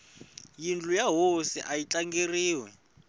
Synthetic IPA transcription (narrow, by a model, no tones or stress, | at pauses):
jind͡ɮujaɦosḭʔajit͡ɬʼaŋɡeriːwɛ